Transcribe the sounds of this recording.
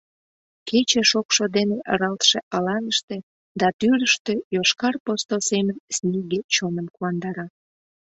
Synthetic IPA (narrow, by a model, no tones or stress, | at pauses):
ket͡ɕeʃokʃod̪eneʔɑɾɑlt̪ʃeʔɑlɑnəʃt̪e | d̪ɑt̪yɾəʃt̪ejoʃkɑrpost̪olsemənsnʲeɡet͡ɕonənkuɑnd̪ɑɾɑ